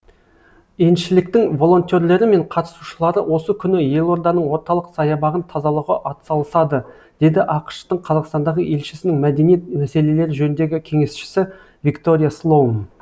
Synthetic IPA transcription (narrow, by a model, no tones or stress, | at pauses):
enʃɪlɪk̚t̪ɪŋvo̞lˠo̞nt̪ʲe̞ɾle̞ɾɪme̞ɴqʰɑt̪ə̥suʃəlˠɑɾəwo̞səkʲʰʏnɪje̞lˠo̞ɾd̪ɑnəɴwo̞ɾt̪ɑlˠəqsɑjɑbɑʁənt̪ʰɑzɑlˠəʁəʔɑt̪sɑlˠəsɑd̪ə | d̪̥e̞d̪ɪʔɑqə̥ʃt̪əɴqʰɑzɑqst̪ɑnd̪ɑʁəʔe̞lʃɪ̥sɪnɪŋmæd̪e̞nijet̪̚mæse̞le̞le̞ɾɪʒɵnɪnd̪e̞ɡʲɪkʲʰe̞ŋe̞sʃɪ̥sɪ | vʲikt̪o̞ɾʲijaslˠo̞n